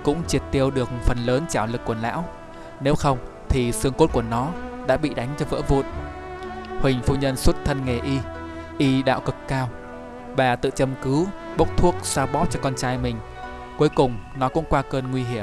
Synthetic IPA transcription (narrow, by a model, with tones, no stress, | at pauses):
kʊ̰˧˥ŋ͡mt͡ɕi˨˩ət̚t̪i˧əwɗɨ˨˩ək̚fə˨˩nləː˨˦nt͡ɕaː˧˩wlɨ˨˩kːu˧˩əla̰ː˧˥w | ne˨˦wxə˧wŋ͡m | t̪ʰi˨˩sɨ˧əŋko˦˥t̚ku˧˩ənɔ˨˦ɗa̰ː˧˥ɓḭ˧˨ɗa˨˦jŋ̟t͡ɕɔ˧və̰ː˧˥vṵ˧˨n̚ | hwï˨˩ŋ̟fu˧ɲə˧nswə˦˥t̚t̪ʰə˧nŋe˨˩ʔi˧ | ʔi˧ɗa̰ː˧˨wkɨ˨˩kːaː˧w | ɓaː˨˩t̪ɨ̰˧˨t͡ɕə˧mkɨ˨˦w | ɓə˦˥wk͡p̚t̪ʰu˦˥ək̚saː˧wɓɔ˦˥p̚t͡ɕɔ˧kɔ˧nt͡ɕaː˧jmï˨˩ŋ̟ | ku˨˦əjkʊ˨˩ŋ͡mnɔ˨˦kʊ̰˧˥ŋ͡mkwaː˧kəː˧nŋwi˧ɦi˧˩əmm